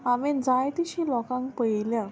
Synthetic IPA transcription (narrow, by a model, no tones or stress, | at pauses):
amẽnd͡zajt̪iɕĩlɔkãŋkpəjljã